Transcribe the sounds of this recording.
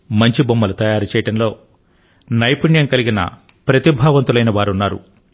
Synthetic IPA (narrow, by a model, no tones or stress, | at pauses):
mɐɲt͡ʃibomːɐlɐt̪ɐjaːɾit͡ʃɛːjɐʈɐnlo̞ː | nɐjpuɳjɐŋkɐliɡinɐ̰ | pɾɐt̪ibʱaːʋɐnt̪ulɐjnɐʋaːɾunːaːɾṵ